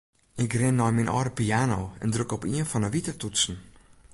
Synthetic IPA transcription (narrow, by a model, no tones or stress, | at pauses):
ɪkrɪnːɔjminʔɔːɾəpiaːnowɛ̰ndrøkɔpiənfɔnəʋitərtutsn̩